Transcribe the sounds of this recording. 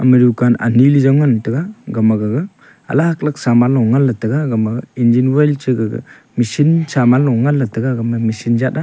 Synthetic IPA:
a̰miɾikana̰nilizaŋantɯɡaɡamaɡɯɡɯ | a̰lahaklak̚samalɔwŋalːatɐɡaɡamaɡind͡ʒinwajlt͡ʃɯɡɯɡɯ̰ | misinsamalɔwŋalːatɐɡaɡamamisinzat̚a

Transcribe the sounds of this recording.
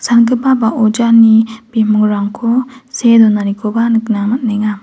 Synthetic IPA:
sanɡɯbabaʔɔd͡ʒanib̥emuŋɾaŋkʰɔsedɔnanikʰɔbanɯknamat̚naŋa

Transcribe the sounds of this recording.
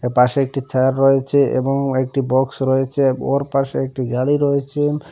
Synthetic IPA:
paʃeek̚ʈit͡ɕaɾɾojet͡ɕʰeḛboŋek̚ʈibɔksɾɔjet͡ɕʰeoɾpaʃeek̚ʈiɡaɽiɾojet͡ɕʰen

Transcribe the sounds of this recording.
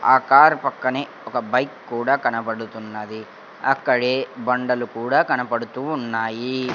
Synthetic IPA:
aːkaːɾpɐkːɐneːɔkɐbɐjkːuːɽaːkɐnɐpɐɽut̪unːɐd̪i | ɐkːɐɽeːbɐɳɖɐlukuːɽaːkɐnɐpɐɽut̪uːnːaːji

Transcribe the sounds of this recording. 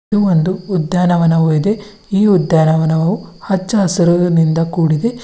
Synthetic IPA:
uʋond̪uːd̪jaːnɐʋɐnɐʋoid̪e̞ | iːud̪jaːnɐʋɐnɐʋɐʋuhɐt͡ʃːɐɐsɐɾunind̪ɐkuːɽid̪e̞

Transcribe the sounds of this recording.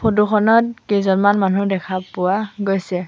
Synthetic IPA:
pʰoduxʰɔnɔt̚kezɔnmanmanudɛkʰapʊwaɡojsɛ

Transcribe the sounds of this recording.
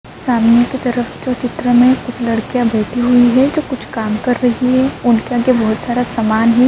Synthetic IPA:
saːmnjəkit̪ɐɾəfd͡ʒoːt͡ʃɪt̪ɾəmẽkʊt͡ʃʰlɐɽkijãbɛːt̪iɦuiɦɛd͡ʒoːkʊt͡ʃʰkaːmkɐɾːɐɦiɦɛʊnkeaːɡebɐɦʊt̪saːɾasaːmaːnɦɛ

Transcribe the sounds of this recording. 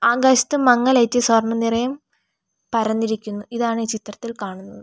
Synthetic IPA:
aːɡɐst̪ːɨmɐŋːɐlɐjtːɨsɐrɳɐnirɐjɐm | pɐɾɐnːiɾikʲːunːuiðaːɳɨt͡ɕit̪rɐt̪ːilkaːɳunːɐðɨ

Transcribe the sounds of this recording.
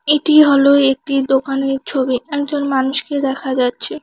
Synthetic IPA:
eʈiɦɔloek̚ʈid̪okaneɾt͡ɕʰobiɛkd͡ʑonmanuʃked̪ɛkʰad͡ʑatːɕʰe

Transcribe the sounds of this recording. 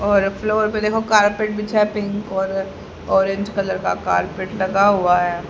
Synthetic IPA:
ɔːɾfloːɾped̪eːkʰokaːɾpeːʈ̚bʱɪt͡ʃʰɛpɪ̃ŋkɔːɾ | ɔːɾẽɲd͡ʒkɐləɾka̰ka̰ːɾpeːʈlɐɡaɦuaɦɛː

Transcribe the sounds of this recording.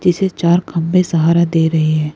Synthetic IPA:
d͡ʒɪset͡ʃaːɾkʰɐ̃mbesɐɦaːɾad̪eːɾɐɦeɦɛ̃ː

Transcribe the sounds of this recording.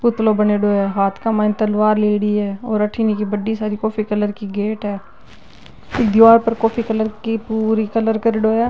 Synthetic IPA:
kʊt̪lobɐneɖoːɛːɦaːt̪ʰkamãːnt̪əlʋaːɾleːɽiɦɛːɔːɾɐʈʰiːnekibəɖisaːɾikɔːfikələɾkiɡeːʈɦɛː | ɪk̚d̪ɪʋaːɾpəɾkɔːfʰikələɾkipuːɾikɐləɾkəɾeɖoːɛː

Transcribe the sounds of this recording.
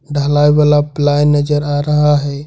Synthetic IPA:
ɖʱəlaːjʋalaplajnəd͡ʒəɾaɾəɦaɦɛ

